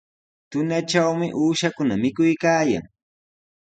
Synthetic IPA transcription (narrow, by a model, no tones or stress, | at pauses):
t̪ʊnaʈ͡ʂawmɪʔuːʃakʊnamɪkʊjkaːja̰ŋ